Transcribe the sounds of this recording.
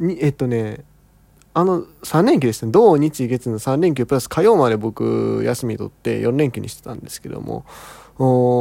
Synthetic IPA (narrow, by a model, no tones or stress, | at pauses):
ɲ̟iet̪ːo̞ne̞ | ano̞sãnːẽ̞ŋk̬ʲiɨdest̪ned̪o̞ːɲ̟it͡ɕiɡe̞t͡sɨnosãnːẽ̞ŋk̬ʲɨːpɯ̟ɾasɨ̥kʰajo̞ːmad̪e̞bo̞kɯ̟̰jasɨmiɲit̪o̞̰t̪ːe̞̰jõ̞nːẽ̞ŋkʲɨɲ̟iɕi̥t̪et̪ã̰nd̪e̞sɨ̥ke̞d̪o̞̰mo̰oː